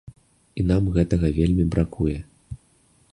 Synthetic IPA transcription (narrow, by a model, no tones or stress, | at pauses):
inamɣɛt̪ɐɣɐvʲelʲmʲibɾakujɛ